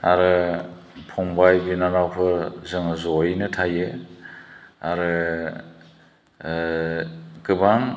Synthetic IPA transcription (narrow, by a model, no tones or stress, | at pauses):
aɾɯ | pʰɔŋbajbinanawpʰɯɾzɯŋzɔjnɯtʰajɯ | aɾɯ | kɯbaŋ